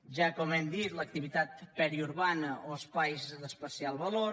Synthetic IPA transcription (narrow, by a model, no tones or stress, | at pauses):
ʒakɔmɛmd̪it̪lək̚t̪iβit̪at̪̚pɛɾiuɾβanəoəspajzd̪əspəsialˠβəlo